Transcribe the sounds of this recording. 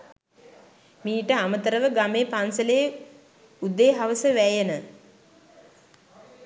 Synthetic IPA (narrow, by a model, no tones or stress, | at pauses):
miːʈəamət̪əɾəʋəɡameːpansəlejː | ud̪eːɦaʋəsəʋæjənə